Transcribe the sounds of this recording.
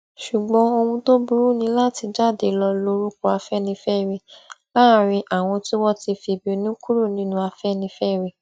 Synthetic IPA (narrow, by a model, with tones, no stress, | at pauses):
ʃu˨ɡ͡bɔ̃˨˦o˧wũ˧to˦bu˦ɾu˦˨nĩ˧˦la˦ti˧d͡ʒa˦˨de˨˧lɔ˧lo˧ɾu˦ko˧˦a˧fɛ˦˨nĩ˧fɛ˦˨ɾe˧la˦˨ɾ̃ĩ˧ʔa˨w̃ɔ̃˧ti˦wɔ˦ti˧fi˧˨bi˦o˧˦nĩ˦ku˦ɾu˦˨nĩ˨˦nũ˧˦a˧fɛ˦˨nĩ˧˦fɛ˦˨ɾe˨